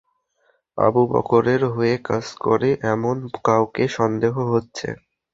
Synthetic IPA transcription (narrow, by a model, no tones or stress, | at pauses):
a̰bubɔ̰koɾeɾɦoekad͡ʑkɔ̰ɾeʔɛmonkawkeʃɔnd̪eɦoɦotːɕʰḛ